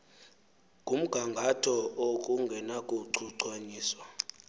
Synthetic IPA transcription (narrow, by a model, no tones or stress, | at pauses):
kʼum̩ɡ̥ʱaŋɡʱatʰɔokʼuŋɡʱɛnakʼuǀʰuǀwaɲiːswa